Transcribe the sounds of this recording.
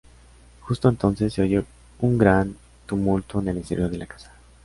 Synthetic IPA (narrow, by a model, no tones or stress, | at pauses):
xust̪o̞ent̪o̞nse̞sːeoʝo | uŋɡɾan | t̪umult̪o̞enelenseɾjoðe̞lakḁsḁ